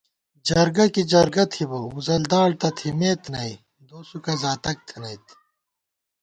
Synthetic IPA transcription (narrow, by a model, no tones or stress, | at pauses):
d͡ʑɐɾɡɐkid͡ʑɐɾɡɐt̪ʰibouzɐld̪aːɽt̪ɐt̪ʰimeːt̪nɐi | d̪oːsukɐzaːt̪ɐk̚t̪ʰɐnɐit̪